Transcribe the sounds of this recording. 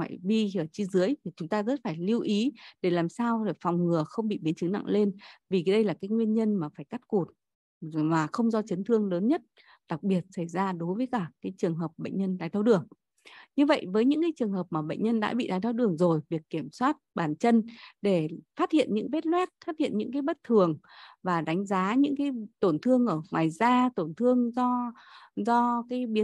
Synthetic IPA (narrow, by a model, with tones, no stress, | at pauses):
wa̰ː˧˨jvi˧ɨ˧˩ət͡ɕi˧zɨ˨˦əjt̪ʰi˨˩t͡ɕʊ˨˦ŋ͡mt̪aː˧zə˦˥t̚faː˧˩jli˧wʔi˨˦ɗe˧˩laː˨˩msaː˧wɗe˧˩fɔ˨˩wŋ͡mŋɨ˨˩əxə˧wŋ͡mɓḭ˧˨ɓi˨˦ənt͡ɕɨ˨˦na̰˧˨ŋle˧nvi˨˩˨ɗə˧jlaː˨˩kaː˨˦jŋwi˧ənɲə˧nmaː˨˩faː˧˩jka˦˥t̚ku˨˩t̚ | maː˨˩xə˧wŋ͡mzɔ˧t͡ɕə˨˦nt̪ʰɨ˧əŋləː˨˦nɲə˦˥t̚ | ɗa˨˩k̚ɓi˨˩ət̚sa˧˩jzaː˧ɗo˨˦jvəː˨˦jkaː˧˩kaː˨˦jt͡ɕɨ˨˩əŋɦəː˨˩p̚ɓə̰˧˨jŋ̟ɲə˧nɗaː˨˩jt̪ʰa˧wɗɨ˨˩əŋ | ɲɨ˧və̰˧˨jvəː˨˦jɲɨ̰˧˥kaː˨˦jt͡ɕɨ˨˩əŋɦəː˨˩p̚maː˨˩ɓə̰˧˨jŋ̟ɲə˧nɗa̰ː˧˥ɓḭ˧˨ɗaː˨˦jt̪ʰa˧wɗɨ˨˩əŋzo˨˩jvi˨˩əkːi˧˩əmswaː˦˥t̚ɓaː˧˨˩nt͡ɕə˧nɗe˧˩faː˦˥t̚hḭ˧˨ənɲɨ̰˧˥ŋɓe˦˥t̚lwɛ˦˥t̚faː˦˥t̚hḭ˧˨nɲɨ̰˧˥ŋk̬aː˨˦jɓə˦˥t̚t̪ʰɨ˨˩əŋvaː˨˩ɗa˨˦ŋ̟zaː˨˦ɲɨ̰˧˥ŋkaː˨˦jt̪o˧˩nt̪ʰɨ˧əŋʔəː˧˩ŋwaː˨˩jzaː˧t̪o˧˩nt̪ʰɨ˧əŋzɔ˧ | zɔ˧kaː˨˦jɓi˨˦